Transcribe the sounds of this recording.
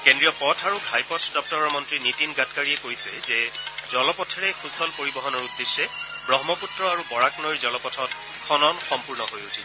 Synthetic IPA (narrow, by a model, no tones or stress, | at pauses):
kendɹijɔpɔtʰaɹuɡʱajpɔtʰdɔp̚tɔɹɔɹmɔntɹinitinɡatkaɹijɛkojsɛzɛzɔlɔpɔtʰɛɹɛxusɔlpoɹibɔɦɔnɔɹudːesːɛ | bɹɔɦmɔputɹɔaɹubɔɹaknojɹzɔlɔpɔtʰɔt | xʰɔnɔnxɔmpuɹnɔɦojutʰis